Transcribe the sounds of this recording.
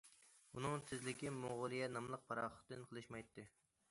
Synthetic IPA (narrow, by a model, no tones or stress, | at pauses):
unɨŋt̪ʰɪzlɪkʲimoʁʊlˠɨjɛnɑmlˠəq̚pʰɑɾɑ̰χə̥χt̪ːɨnqʰəlˠɨʃmɑjt̪ʰːɨ